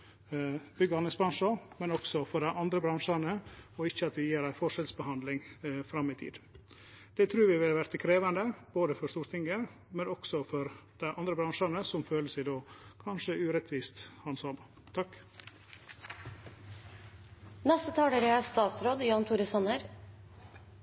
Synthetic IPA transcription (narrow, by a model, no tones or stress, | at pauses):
bʏɡəɑnɪŋsbɾɑnʂəmɛnɔksɔfɔɖæɪʔɑnd̪ɾəbɾɑŋʂɑnəɔɪçːəɑt̪ʋɪjiːɾæɪfɔʂɛlsbəhɑnd̪lɪŋfɾɑmːɪt̪ʰḭːd̪ | d̪̥ɛt̪ʰɾʉːɾʋɪʋɪlʋæɾt̪əkʰɾeːʋɑnd̪əb̥oːd̪əfɔɾʂt̪uːt̪ʰɪŋːə | mɛnɔksɔfɔɾd̪̥æɪʔɑnd̪ɾəbɾɑŋʂɑnəsɔmføːləsæɪd̪oːkʰɑnʂəʉːɾɛt̪ʰʋiːst̪hɑnsɔm | t̪ʰɑkː | nɛst̪ət̪ʰɑːɖəɾəæst̪ɑːt̪sɾoːd̪jɑːnt̪ʰuːɾəsɑnəɾ